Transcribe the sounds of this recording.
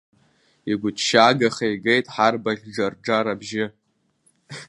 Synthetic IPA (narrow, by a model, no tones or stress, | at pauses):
iɡʷʊtʰʃaːɡaχajɡe̞jtʼħarbaχʲd͡ʒarɖ͡ʐaɾabʒɪ